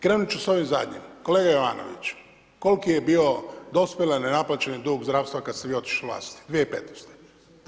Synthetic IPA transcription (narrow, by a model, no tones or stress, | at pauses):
kɾeːnut͡ʃuso̞ʋimzad̪ɲḭmko̞leːɡajoʋa̰ːno̰ʋḭt͡ɕ | ko̞lkijebio̞d̪o̞spʲelanenaplˠat͡ɕenid̪uɡzd̪ɾaːʋst̪ʋakad̪st̪eʋio̞t̪i̥ʃleʋla̰ːst̪i̥d̪ʋieipet̪nost̪e̥